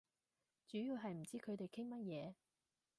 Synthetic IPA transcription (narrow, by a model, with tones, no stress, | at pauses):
t͡ʃyː˨˥jiː˨˧wɦɐ˨jm̩˨˩t͡siː˥kʰɵ˨˧ɥt̪e˨jkʰɪ˥ŋmɐ˥t̚jɛː˨˧